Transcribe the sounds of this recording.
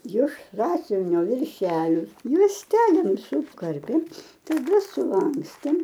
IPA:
jɪʃ ˈsɑːsʲʊʋʲɪnʲoː ʋʲɪrʲˈʃʲæːlʲoː juɔsʲˈtʲæːlʲeːm sʊˈkɐrʲpʲeːm tɐˈdɐ sʊˈlˠɐŋksʲtʲeːm

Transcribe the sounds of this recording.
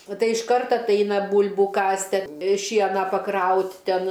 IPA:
oː ˈtɐɪ ɪʃˈkɐrt ɐtˈɐɪnɐ ˈbuːlʲbuː ˈkɑːsʲtʲɪ ɐ ˈʃʲiɛnɑː pɐˈkrɐʊtʲ ˈtʲɛn

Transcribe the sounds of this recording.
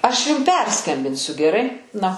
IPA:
ˈɐʃ ˈjʊm ˈpʲɛrskɐmʲbʲɪnʲsʲʊ ɡʲɛˈrɐɪ ˈnɐ

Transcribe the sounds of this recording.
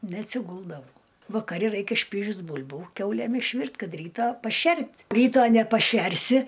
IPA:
nʲɛɐtʲsʲɪˈɡʊlˠdɐʋɐʊ ʋɐkɐˈrʲɪ ˈrɐɪkʲɛ ˈʃʲpʲiːʒʲʊs ˈbʊlʲbuː ˈkʲɛʊlʲeːm ɪʃʲˈʋʲɪrʲtʲ ˈkɐt ˈrʲiːtɑː pɐˈʃʲɛrʲtʲ ˈrʲiːtoː nʲɛpɐˈʃʲɛrʲsʲɪ

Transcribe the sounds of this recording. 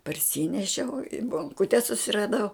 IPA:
pɐrʲˈsʲiːnʲɛʃʲɛʊ ɪ boːŋˈkʊtʲɛ sʊsʲɪrɐˈdɐʊ

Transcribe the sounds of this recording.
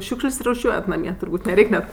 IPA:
ˈʃʲuːkʃʲlʲsʲ rʊˈʃʲuɔjɛt nɐˈmʲiɛ tʊrˈbuːtʲ nʲɛˈrʲɛɪkʲ nʲɛt

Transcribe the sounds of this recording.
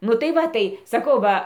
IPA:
ˈnʊ tɐɪ ˈʋɐ tɐɪ sɐˈkɐʊ ˈʋɐ

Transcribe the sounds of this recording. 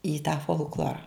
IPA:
iː tɑː foːlˠkˈlˠoːrɐ

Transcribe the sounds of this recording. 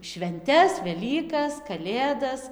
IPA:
ʃʲʋʲɛnʲˈtʲɛs ʋʲɛˈlʲiːkɐs kɐˈlʲeːdɐs

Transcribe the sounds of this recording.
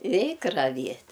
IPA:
ˈrʲɛɪk rɐˈʋʲiɛtʲ

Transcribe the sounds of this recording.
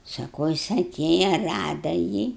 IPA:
sɐˈkɐʊ ˈjɪs ɐˈtʲeːjɛ ˈrɑːdɐ jiː

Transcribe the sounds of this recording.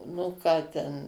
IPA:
nʊ ˈkɑː tʲɛn

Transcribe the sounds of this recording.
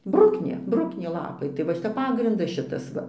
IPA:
ˈbrʊknʲeː ˈbrʊknʲeː ˈlˠɑːpɐɪ tɐɪ ʋɐ ˈʃʲɪtɐ ˈpɑːɡrʲɪndɐs ˈʃʲɪtɐs ˈʋɐ

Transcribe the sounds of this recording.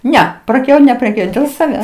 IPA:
ˈnʲɛ prɐˈkʲɛʊ nʲɛpʲrʲɛˈkʲɛʊj dʲeːlˠ sɐˈʋʲæːs

